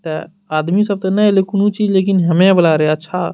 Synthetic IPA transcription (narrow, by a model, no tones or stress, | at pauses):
t̪ɛ | aːd̪misɐb̚t̪ɐnɐɦelekʊnũt͡ʃiːd͡ʒleːk̬ɪnɦɐmẽbɐlaːɾeɦeɐtːʃʰa̰